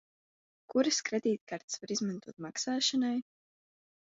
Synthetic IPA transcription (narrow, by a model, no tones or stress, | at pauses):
kuɾɨskɾɛd̪iːt̪kaɾt̪svaɾizmant̪uɔt̪maksaːʃanaj